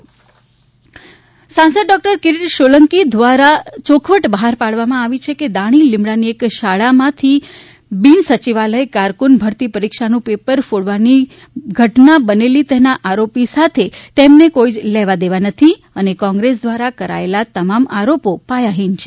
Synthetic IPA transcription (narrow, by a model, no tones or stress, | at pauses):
sãnsəɖ̚ɖɔk̚ʈəɾkɪɾiʈʃoləŋkid̪ʋaɾat͡ʃokʰʋəʈbəɦaɾpaɭʋamãaʋit͡ʃʰeked̪aɽ̃ilɪmbɭaniekʃaɭamãt̪ʰi | binsət͡ʃiʋaləekaɾkunbʱəɾt̪ipəɾikʃanũpepəɾfoɽʋani | ɡʱəʈnabənelit̪enaʔaɾopisat̪ʰet̪emnekoid͡ʒlɛʋad̪eʋanət̪ʰi | ənekɔ̃ŋɡɾes̬d̪ʋaɾakəɾa̰elat̪əmamaɾopopajaɦint͡ʃʰe̥